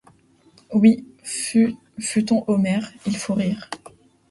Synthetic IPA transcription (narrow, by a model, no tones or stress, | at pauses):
wiy | fyt̪ɔ̃ʔomɛʁilfoʁiːʁ